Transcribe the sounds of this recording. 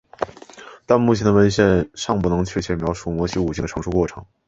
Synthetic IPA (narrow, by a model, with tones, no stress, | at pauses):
t̪a˥˧nmu˥˩t͡ɕʰjɛ˧˥nd̪ə˧wə˧˥nɕjɛ˥˧nʂɑ˥˧ŋp̬u˥˩nɤ˧˥ŋt͡ɕʰɥɛ˥˩t͡ɕʰjɛ˧˥mjɑ˧˥ʊʂu˥˩mwɔ˧˥ɕi˧˥u˨˩t͡ɕʰi˥˩d̪ə˩ʈ͡ʂʰɤ˧˥ŋʂu˥˧kwɔ˥˩ʈ͡ʂʰɤ̰˧˥˦ŋ